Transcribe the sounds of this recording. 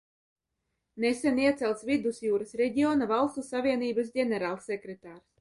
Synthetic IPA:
nesɛniɛt̪sɛlˠt̪svid̪usjuːɾasɾɛɟʲiɔːnavalˠst̪usavʲiɛniːbas̬ɟʲɛnʲɛɾaːlˠsɛkɾet̪aːɾs

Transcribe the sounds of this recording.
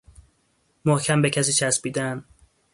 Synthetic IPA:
mohcʰæmbecʰæs̬iːt͡ʃʰæsbiːd̪æn

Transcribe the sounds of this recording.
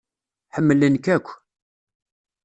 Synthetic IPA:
ħəmːələnkækʷː

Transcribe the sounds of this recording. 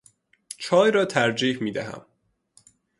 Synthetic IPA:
t͡ʃʰɒːjɾɒːt̪ʰæɾd͡ʒiːhmiːd̪æ̰ɦæ̰m

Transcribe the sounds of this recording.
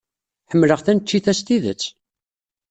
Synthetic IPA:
ħəmːləʁθænt͡ʃːiθæst̪iðə̰t͡sː

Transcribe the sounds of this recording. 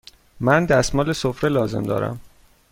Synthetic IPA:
mænd̪æsmɒːlesofɾelɒːze̞̰md̪ɒ̰ːɾæ̰m

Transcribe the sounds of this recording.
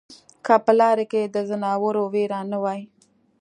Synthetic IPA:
kʰapəlɑɾeked̪əzanɑwəɾoweɾɑnəwɑj

